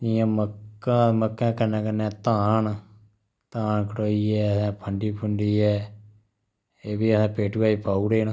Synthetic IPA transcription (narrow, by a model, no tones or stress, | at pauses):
ɪjãːməkːãːməkːɛ̃ːkənɛ̃ːkənːɛ̃ːt̪aːn | t̪aːɳkəʈoːiːɛːəsãːpʰəɳɖiːpʰəɳɖiːɛː | eːbiːəsãːpeːʈuːaːiːpaːuːɾeːn